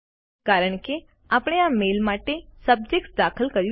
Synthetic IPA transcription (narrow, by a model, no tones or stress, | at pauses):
kaɾəɳke | apɽ̃eamelmaʈesəb̚d͡ʒek̚ʈd̪akʰəlkəɾj